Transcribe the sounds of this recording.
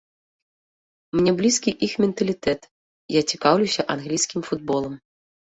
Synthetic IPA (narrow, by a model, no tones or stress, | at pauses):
mnʲɛblʲiskʲiʔixmʲɛnt̪ɐlʲit̪ɛt̪ | jat͡sʲikawlʲuwsʲɐʔanɣlʲijsʲkʲimfud̪̚bɔlˠɐm